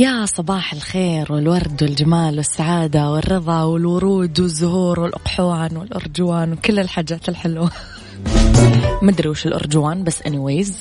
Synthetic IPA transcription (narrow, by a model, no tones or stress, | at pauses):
jasˤɑbɑːħɪlxeːɾwɪlwɑɾˤd̪wɪld͡ʒamaːlwɪsːaʕaːd̪awɪrːɨðˤɑwɪlwʊɾˤuːd̪wɪzːʊɦuːɾwɪlʔʊqħʊwaːnwɪlʔʊ̰ɾˤd͡ʒʊwaːnwɪkʊlːɪlħaːd͡ʒːaːt̪ɪlħɪlwa | mad̪ɾiːʃɪlʔʊ̰ɾˤd͡ʒʊwaːnbasːʔɪniweːz